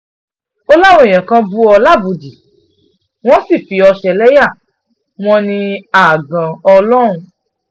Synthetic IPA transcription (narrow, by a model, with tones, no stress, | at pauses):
o˦la˦w̃ɔ̃˦ẽ˨j̃ã˨kã˧bu˦ɔ˧la˦˨bu˨di˨ | w̃ɔ̃˦si˦˨fi˨ɔ˧ʃɛ˧lɛ˦ja˦˨ | w̃ɔ̃˦nĩ˧a˦˨ɡã˨ɔ˧lɔ˦˨ɾ̃ũ˧